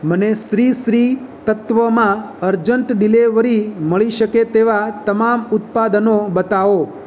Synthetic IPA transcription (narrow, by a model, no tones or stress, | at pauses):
məneʃɾiʃɾi | t̪ət̪ʋəmã | əɾd͡ʒəɳʈɖileʋəɾiməɭiʃəket̪eʋat̪əmamʊt̪̚pad̪ənobət̪aʋo